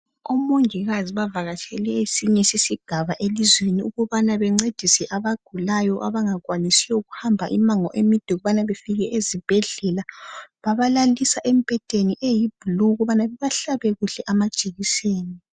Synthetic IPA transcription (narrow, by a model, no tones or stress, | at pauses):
ɔmoŋiɣaziβavaɣat͡ʃʼʰɛlɛesiɲɛsisiɡ̥ʱaβaʔelizweniuɣɔβanaβɛŋ͡ǀed̥ʱisɛʔaβaɡ̥ʱulajɔʔa̰βaŋaɣwanisiwɔuɣuhambʱa̰ʔimaŋɔʔemid̥ʱɛɣuβanaβefiɣɛʔezib̥ʱɛɮɛlaβaβalalisaʔem̩pʼɛtʼeniʔejib̥ʱuluɣɔβanaβɛβaɬaβɛɣuɬɛʔamad̥ʒ̥ʱʼeɣiseːni